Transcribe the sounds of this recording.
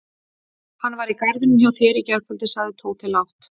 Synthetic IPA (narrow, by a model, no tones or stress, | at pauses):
hanːvaɾikajɾðʏnʏmçawθɪːɾicɛɾ̥kʰfœlt̪ɪsaːɣðɪt̪ʰoːwt̪ʰɪlːawht̪